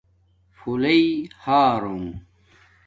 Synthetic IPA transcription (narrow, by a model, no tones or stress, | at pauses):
fulɐihaːɾum